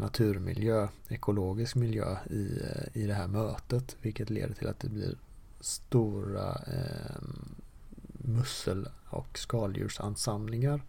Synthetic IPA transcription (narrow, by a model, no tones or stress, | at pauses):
nat̪ʰʉ̟ːɾmɪ̰ljøːɛkʰʊloːɡɪskmɪljø̰ːɪɪd̪ɛɦæːɾmøːt̪ət̪vɪlkət̪lḛːd̪əʈʰɪlʔa̰t̪̚d̪ɛblɪ̰ɾ | st̪uːɾa̰ | mɵsəlɔ̰kskɑːljʉ̰ːʂa̰nsamlɪŋaɾ